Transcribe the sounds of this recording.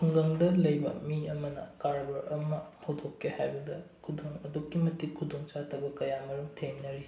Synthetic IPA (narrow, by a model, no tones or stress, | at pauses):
pʰuŋɡɐŋdɐlɐjbɐ̰miɐmɐnɐ̰kaɾbɐɾɐmɐhowdokːehajbɐdɐkʰudoŋɐdukːimɐtikʰudoŋt͡ʃatʰɐbɐkɐjamɐɾumtʰeŋnɐɾi